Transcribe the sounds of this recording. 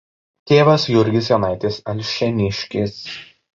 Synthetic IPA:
t̪ʲeːʋɐsjʊɾʲɡʲɪs̬jonɑˑɪt̪ʲeːsɐlʲʃʲɛnʲɪʃʲkʲɪs

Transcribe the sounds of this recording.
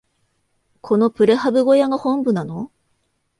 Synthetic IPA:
kʰo̞no̞pɯ̟ɾehabɯ̟ɡo̞jaɡahõ̞mbɯ̟nano̞

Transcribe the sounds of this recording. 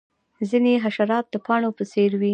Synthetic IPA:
zineɦaʃaɾɑt̪̚d̪əpɑɳopəseɾwi

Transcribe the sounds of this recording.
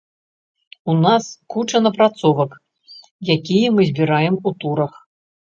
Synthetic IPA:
unaskut͡ʂɐnɐpɾat̪sɔvɐk | jakʲijɐmɨzʲbʲiɾajɛmut̪uɾɐx

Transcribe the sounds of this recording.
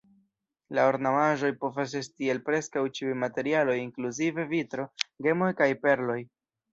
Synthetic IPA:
laoɾnamaʒo̞jpo̞vas̬e̞stielpɾe̞skawt͡ʃiujmate̞ɾialo̞jiŋkluzive̞vitɾo̞ɡe̞mo̞jkajpe̞ɾlo̞j

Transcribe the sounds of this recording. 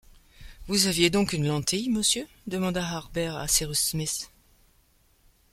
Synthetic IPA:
vuzavjed̪ɔ̃kynlɑ̃t̪ʰijməsjø | d̪əmɑ̃d̪aɦaʁbɛʁa̰siʁysmis

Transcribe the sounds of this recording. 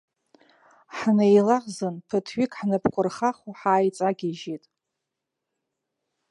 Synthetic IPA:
ħnejlaʁzɨnpʰɨtʰɥikʼħnɨpʰkʷʼʊrχaχuħaːjt͡sʼaɡʲiʒitʼ

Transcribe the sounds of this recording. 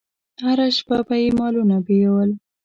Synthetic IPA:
haɾaʃpapajemɑlunabejawəl

